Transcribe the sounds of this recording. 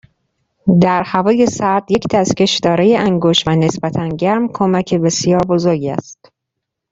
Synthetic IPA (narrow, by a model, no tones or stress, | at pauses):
d̪æɾhævɒːje̞sæɾd̪je̞cd̪æsce̞ʃd̪ɒːɾejeæŋɡoʃvæne̞sbæt̪ʰænɟæɾmkʰomæcʰebe̞sjɒːɾbozoɾɟæ̰st̪